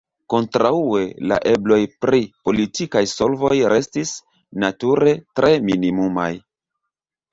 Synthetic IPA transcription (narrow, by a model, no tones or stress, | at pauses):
ko̞ntɾaue̞la̰ʔe̞blo̞jpɾipo̞litikajso̞lvo̞jɾe̞stis | natuɾe̞tɾʔe̞minimuma̰j